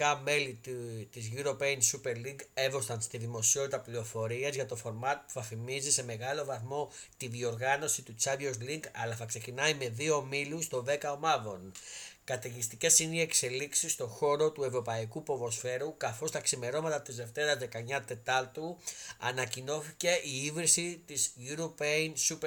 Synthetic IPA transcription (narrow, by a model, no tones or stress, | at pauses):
ɐme̞litt̪izʝuɾo̞peinsupe̞ɾliŋɡe̞vo̞st̪ɐnst̪iðimo̞sio̞t̪it̪ɐplio̞fo̞ɾiɐzʝɐt̪o̞fo̞ɾmɐt̪̚pu̥θɐfimizise̞me̞ɣɐlo̞vɐθmo̞ | t̪iðio̞ɾɣɐno̞sit̪ut͡sɐvozliŋɡɐlɐθɐkse̞cinɐime̞ðio̞milust̪o̞ðe̞kɐo̞mɐvo̞nkɐt̪eʝist̪ice̞sinie̞kse̞liksist̪o̞xo̞ɾo̞t̪uevɾo̞pɐikupo̞vo̞sfe̞ɾukɐθo̞st̪ɐksime̞ɾo̞mɐt̪ɐt̪izðe̞ft̪eɾɐzðe̞kɐɲɐt̪e̞t̪ɐlt̪uɐ̰nɐcino̞θice̞ʔiivɾisit̪izʝuɾopensup